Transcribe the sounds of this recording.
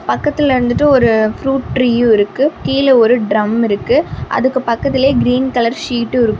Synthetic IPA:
pɐkːɐt̪ːɪlɪɾɯnd̪ɯʈːɯɔɾɯfɾuːʈʈɾiːjʊ̃ɪɾɯkːɯkiːlɐɔɾɯɖɾɐmɪɾɯkːɯʔɐ̰ðɯkːɯpɐkːɐt̪ːɪleːɡɪɾiːnkɐlɐɾʂiːʈːɯɪɾɯkːɯ

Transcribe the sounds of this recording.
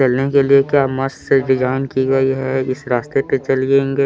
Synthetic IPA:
t͡ʃɐlnekeliekjaːmɐsseɾɪd͡ʒaːnkiɡɐiɦɛɪsɾaːst̪eʈet͡ʃɐlɡẽːŋɡeː

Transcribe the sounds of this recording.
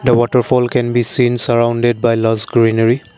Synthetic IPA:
d̪əwɔtəɹfɔlkɛ̃nbisĩnsəɹaʊ̃nded̚bajlazɡɹinəɹi

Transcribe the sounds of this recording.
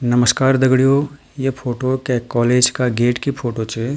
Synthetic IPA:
nɐməskaːɾd̪ɐɡɽijoː | jepʰoːʈokekɔːleːd͡ʒkaɡeːʈkipʰoːʈot͡ʃe

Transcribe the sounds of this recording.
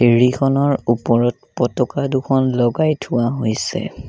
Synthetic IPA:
eɹikʰɔnɔɹupɔɹɔt̚pɔtɔkadukʰɔnlɔɡajtʰʊwaɦojsɛ̰

